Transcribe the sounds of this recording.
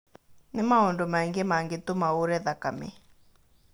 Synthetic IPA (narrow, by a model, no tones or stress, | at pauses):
nɪmaɔndɔmaɛŋɡemaŋɡet̪omaoɾɛðakamḛ